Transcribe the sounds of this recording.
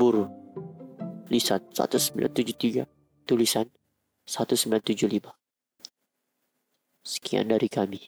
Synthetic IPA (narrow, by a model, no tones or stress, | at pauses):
buɾu | lisansa̰t̪usəmbila̰nt̪ud͡ʒʊt̪iɡa | t̪ulisan | sat̪usəmbilant̪ud͡ʒʊhlima | sə̥kia̰ndaɾikami